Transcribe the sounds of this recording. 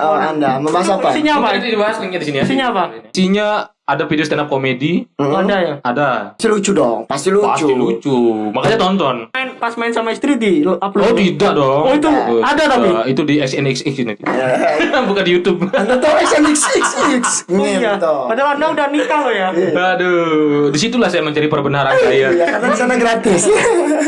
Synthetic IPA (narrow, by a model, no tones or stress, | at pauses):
əandaməmbaasapasiɲabaɾidibaɦasliŋadisinijsiɲabasiɲa | adafidiost̪enap̚komediandajaadaasilut͡ʃudɔŋpast̪iluast͡ʃuilut͡ʃumakaɲat̪ɔnt̪ɔnaɪnpasmaɪnsamaist̪ɾidilapalot̪idaʔdɔŋɔit̪uadat̪aiit̪udiɛksɛnɛksɪksnat̪i | bukandijut̪ub̚t̪ɔɛksɛnɛksɛksɪks | jat̪ɔadalandaudanikalɔjaadudisit̪ulahsajaməɲt͡ʃaɾipərbənaɾansajaaasamɛɡɾat̪ɪs